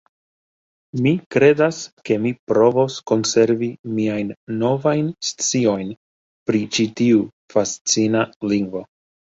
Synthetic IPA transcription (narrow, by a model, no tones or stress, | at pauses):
mikɾe̞daske̞mipɾo̞vo̞sko̞nse̞ɾvimiajnːo̞vajnst͡sio̞jn | pɾit͡ʃitiu | fast͡sinaliŋɡvo̞